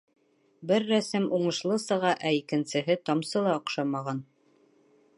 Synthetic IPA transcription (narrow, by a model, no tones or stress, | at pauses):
bɘɾːæsɘmuɴɤ̆ʃlˠɤsɤ̆ʁɑʔæikɘ̆nsɘ̆ɦɘt̪ɑmsɤlˠɑŏqʃɑmɑʁɑn